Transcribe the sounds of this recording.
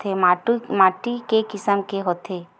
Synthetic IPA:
emaːʈmaːʈikekɪsəmkeɦoːt̪ʰeː

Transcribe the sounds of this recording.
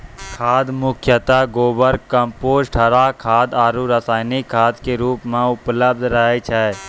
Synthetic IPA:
kʰaːd̪mʊkʰjət̪aːɡoːbəɾkəmpoːsʈʰəɾakʰaːd̪aːɾuɾəsaːɪnikʰːaːd̪keɾuːpmãʊpləb̚d̪ʱɾəɦet͡ʃʰɛ

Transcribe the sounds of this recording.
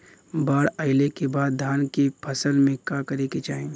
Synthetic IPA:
baːɾəɪlekebaːd̪ːʱaːnkipʰɐsəlmẽkakɐɾeket͡ʃaːẽ

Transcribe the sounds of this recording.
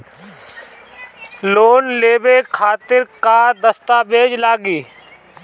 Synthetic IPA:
loːnleːbekʰaːt̪ɪɾkaːɾd̪əst̪aːbeːd͡ʒlaːɡiː

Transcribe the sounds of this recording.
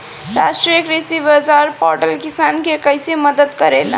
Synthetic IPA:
ɾasʈɾiekɾisibad͡zaɾpɔɾʈəlkisankekəjseməd̪əd̪kəɾen̰

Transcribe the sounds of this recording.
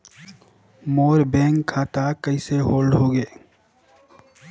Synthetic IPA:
moːɾbẽːŋʰaːt̪akəiseɦoːlɖɦoːɡeː

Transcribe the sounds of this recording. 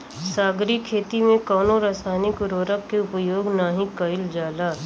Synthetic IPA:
saːɡɾikʰeːt̪imẽkɔːnoɾaːsaːnɪkɾoːɾəkːeʊpjoːɡnaːɦĩkəɪld͡ʒaːlaː

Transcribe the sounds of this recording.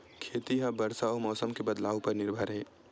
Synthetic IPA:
kʰeːt̪iɦabəɾsaomɔːsəmkebəd̪laːopɐɾnɪɾbʱəɾɦɛː

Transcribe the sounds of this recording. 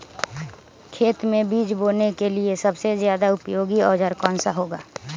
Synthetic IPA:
kʰeːt̪mẽbiːd͡ʒboːnekeliesɐbsezjaːd̪aʊpjoːɡiɔːɾd͡ʒəɾkɔːnsaɦoːɡa̰ː

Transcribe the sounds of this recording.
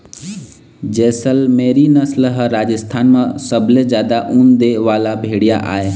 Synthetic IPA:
d͡ʒɛːsəlmeːɾinəslɦəɾaːd͡ʒəst̪ʰaːnmãsəbʱlezjaːd̪aʔũːnd̪eʋaːlabʱeːɽija̰ʔa̰ːe

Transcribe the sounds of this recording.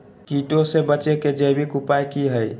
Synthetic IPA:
kiʈosebət͡ʃeked͡ʒəjbikupajkiɦəj

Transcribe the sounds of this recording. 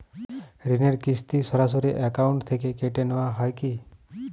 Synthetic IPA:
ɾineɾkist̪isəɾasoɾiʔɛkauɳʈt̪ʰekekeʈenəʋãɦajki

